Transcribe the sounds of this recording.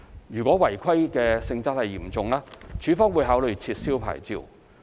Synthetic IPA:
jyː˨˩kʷɔː˨˥wɐ˨˩jkʰɐ˥jkɛː˧sɪ˧ŋt͡sɐ˥t̚hɐ˨jiː˨˩mt͡sʊ˨ŋlaː˥t͡ʃʰyː˨˥fɔː˥ŋwuː˨˧jɦaː˨˥wlɵ˨˧ɥt͡sʰiː˧t̚siː˥wpʰa̰ː˨˩jt͡sḭː˨˧w

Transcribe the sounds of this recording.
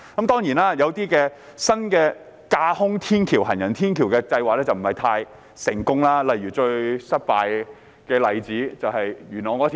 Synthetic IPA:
kɐ˨˦mt̪ɔː˥ŋjiː˨˩naː˦˥jɐ˨˧wt̪iː˥kɛː˧ | sɐ˥nkɛː˧ | kaː˧hʊ˥ŋt̪ʰiː˥nkʰiː˨˩whɐ˨˩njɐ˨˩nt̪ʰiː˥nkʰi˨˩wkɛː˧t͡sɐ˧jwaː˨k̚lɛ˥t͡sɐ˨wm̩˨˩hɐ˨˩jt̪ʰaː˧j | sɪ˨˩ŋkʊ˥ŋlaː˥lɐ˨jɥyː˨˩t͡ʃɵ˧ɥsɐ˥t̚paː˨˧j | kɛː˧lɐ˨˧jt͡siː˨˥t͡sɐ˨˧whɐ˨jjyː˨˩nɔː˨˩kɔː˨˥˨

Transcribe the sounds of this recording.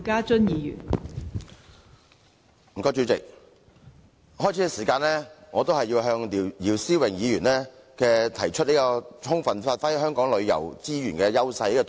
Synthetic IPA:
kaː˥t͡ʃɵ˥njiː˨˧jy̰ː˨˩n | m̩˨˩kɔː˧t͡ʃyː˨˥t͡sɪ̰˨k̚ | hɔː˥jt͡sʰi˨˥kɛ˧siː˨˩kaː˧nlɛː˥ŋɔː˨˧t̪o˥wɦɐ˨jːiː˧wɦœː˧ŋi˨jiː˨˩wsiː˥wɪ˨˩ŋjiː˨˧jyː˨˩nlɛː˥ | kɛː˧t̪ʰɐ˨˩jt͡ʃʰɵ˥t̚li˥kɔ˧tʰʊ˥ŋfɐ˨nfaː˧t̚fɐ˥jhœː˥ŋkɔː˨˥ŋlɵ˨˧ɥjɐ̰˨˩wt͡siː˥jyː˨˩nkɛː˧jɐ˥wsɐ˧jliː˥kɔː˧t

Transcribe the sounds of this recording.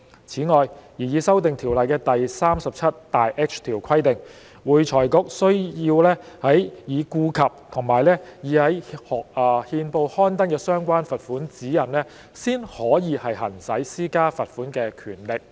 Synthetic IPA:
t͡sʰiː˨˥ŋɔː˨jjiː˨˩jiː˨˧sɐ˥wt̪ɪ˨ŋt̪ʰiː˨˩wlɐ˨jkɛː˧t̪ɐ˨jsaː˥msɐ˨p̚t͡sʰɐ˥t̪t̪ːaː˨jʔɛː˥k̚t͡ʃʰt̪ʰiː˨˩wkʷʰɐ˥jt̪ɪ˨ŋ | wuː˨jt͡ʃʰɔː˨˩jkʊ˧k̚sɵ˥ɥjiː˧wlɛː˥hɐ˨˥jjiː˨˧kuː˧kʰɐ˨p̚t̪ʰʊ˨˩ŋmaː˨˩jlɛː˥jiː˨˧hɐ˨˥jhɔː˨k̚ɐː˨˩hiː˧npo˧whɔː˥nt̪ɐ˥nkɛː˧sœː˥ŋkʷaː˥nfɐ˨t̚fuː˨˥nt͡siː˨˥jɐ˨˩nlɛː˥ | siː˥nhɔː˨˥jiː˨˧hɐ˨jhɐ˨˩nsɐ˨˥jsiː˥kaː˥fɐ˨t̚fuː˨˥nkɛː˧kʰyː˨˩nlɪ˨k̚

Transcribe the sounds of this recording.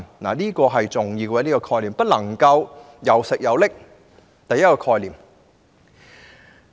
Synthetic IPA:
na̰ː˨˩niː˥kɔː˧ɦɐ˨jt͡sʊ˨˩ŋjiː˨˧kɛ˧˥liː˥kɔ˧kʰɔː˧jliː˨˩mpɐ˥t̚lɐ˨˩ŋkɐ˧w | jɐ˨wsɪ˨k̚jɐ˨˧wlɪ˥k̚ | t̪ɐ˨jːɐ˥t̚kɔː˧kʰɔː˧jliː˨m

